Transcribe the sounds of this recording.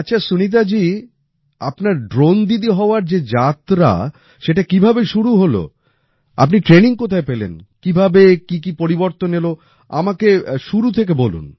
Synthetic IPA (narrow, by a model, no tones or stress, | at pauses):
atːɕʰasunit̪̬ad͡ʑi | apnaɾɖɾond̪id̪iɦɔoaɾd͡ʑed͡ʑat̪ɾa̰ | ʃeʈakibʱabeʃuɾuɦolo̰ | a̰p̬niʈɾeniŋkot̪ʰaepelḛnkibʱabekikipoɾiboɾt̪onːelo | a̰makeʃuɾut̪ʰek̬ebolṵn